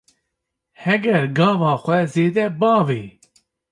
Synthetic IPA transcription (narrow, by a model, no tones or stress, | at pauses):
hɛɡɛɾɡɑːvɑːxʷɛzeːd̪ɛbɑːveː